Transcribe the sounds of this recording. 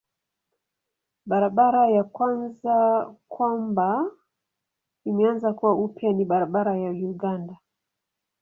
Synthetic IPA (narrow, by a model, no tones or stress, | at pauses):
ɓaɾaɓaɾajakwanzakwamba | imɛanzakuwaupjaniɓaɾaɓaɾajajuɡanda